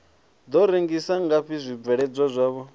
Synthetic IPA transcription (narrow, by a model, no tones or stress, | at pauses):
d̪ɔɾeŋɡisaŋɡaɸʰizʷib̪vɛɺɛd͡zʷwazʷaːβɔ